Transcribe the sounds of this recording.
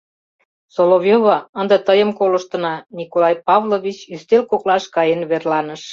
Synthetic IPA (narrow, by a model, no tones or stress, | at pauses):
solovjoβɑə̆nd̪ə̆t̪əjə̆mkoləʃt̪ə̆nɑnikolɑjpɑβloβʲit͡ɕyst̪elkoklɑʃkɑjenβerlɑnəʃ